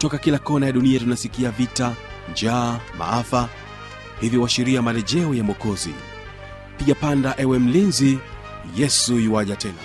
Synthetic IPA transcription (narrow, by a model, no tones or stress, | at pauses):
tɔkakilakɔnajaɗuniatunasikiavita | nd͡ʒaːma̰afa | hiviwaʃiɾiamalɛʄɛɔjamɔkɔzḭ | piʄapandaʔɛwɛm̩linzi | jɛsujiwaʄatɛna̰